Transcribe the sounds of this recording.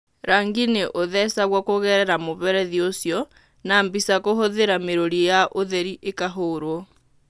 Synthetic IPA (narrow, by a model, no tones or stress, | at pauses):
ɾaːŋɡineʔoðɛsaɣwakoɣɛɾɛɾamoβɛɾɛðiosjɔ | nambisakohoðeɾameɾoɾijaʔoðɛɾiʔekaɦoɾwɔ